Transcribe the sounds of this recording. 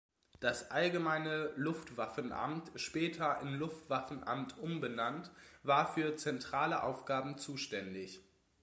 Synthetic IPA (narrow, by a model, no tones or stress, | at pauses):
d̥asʔalɡəmaɪnəlʊftv̥afn̩ʔa̰mtʃpɛːtʰɐʔɪmlʊftv̥afn̩ʔa̰mtʔʊmbənantvaːɐfyːɐt͡sɛntʁ̥aːləʔa̰ʊfɡ̥aːbm̩t͡suːʃtɛndɪç